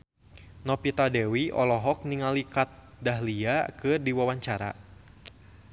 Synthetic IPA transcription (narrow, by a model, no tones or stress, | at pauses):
nɔpit̪adɛwiɔ̰lɔɦɔk̚niŋalikat̪̚ | daɦliakɨrdiwawaɲt͡ʃaɾa̰